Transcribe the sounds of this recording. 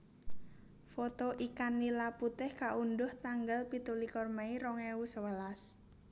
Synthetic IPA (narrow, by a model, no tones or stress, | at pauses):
fɔt̪ɔʔikanːilaput̪ɪhkaʔunɖʊht̪aŋɡalpit̪ulikɔrmaiɾɔŋewusəwəlas